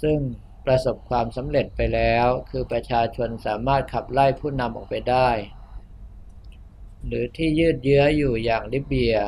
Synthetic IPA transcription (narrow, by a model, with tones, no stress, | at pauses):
sɯ˥˩ŋ | pɾa˧so˨˩p̚kʰwaː˧msa˩˦mɾe˨˩t̪̚pa˧jlɛː˦˥wkʰɯː˧pɾa˧t͡ɕʰaː˧t͡ɕʰo˧nsaː˩˦maː˥˩t̪̚kʰa˨˩p̚la˥˩jpʰuː˥˩na˧mʔɔː˨˩k̚pa˧jdaː˥˩j | ɾɯː˩˦t̪ʰiː˥˩jɯː˥˩t̪̚jɯ˦˥ɐjuː˨˩jaː˨˩ŋliː˦˥˩p̚bi˧ɐ